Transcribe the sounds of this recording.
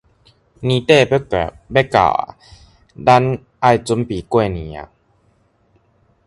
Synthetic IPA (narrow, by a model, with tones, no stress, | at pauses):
niː˧˦t̪eː˥˨˦ | bɛ˦ka̰˨˩ | da˧˦n | ʔa˧˩jt͡ɕo˧˦mpiː˨˩ku˥˩˨jni˨˦a̰˧˨